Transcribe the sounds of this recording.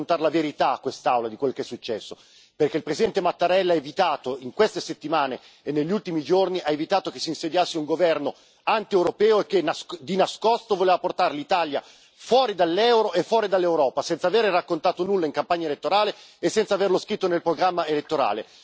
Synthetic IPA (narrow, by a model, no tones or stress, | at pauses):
nt̪aɾelaveɾit̪akːwest̪awlad̪ikwelːkeɛsːut͡ʃːɛsːo | perk̟eilpɾesid̪ɛnt̪emat̪ːaɾɛlːaevit̪aːt̪oiŋkwest̪eset̪ːimaːne | enːeʎːult̪imid͡ʒorniʔaevit̪aːt̪okesːiːnsed̪jasːeuŋɡovɛrno | ant̪iewɾopɛːoek̟ːenad̪inaskost̪ovoleːvaport̪aɾlit̪alja | fwɔːɾid̪alːɛwɾoʔefːwɔːɾid̪alːewɾɔːpasɛnt̪saveːɾerakːont̪aːt̪onulːaiŋkampaɲːaelet̪ːoɾaːleesːɛnt̪saverloskɾit̪ːonelpɾoɡɾamːaelet̪ːoɾa̰ːle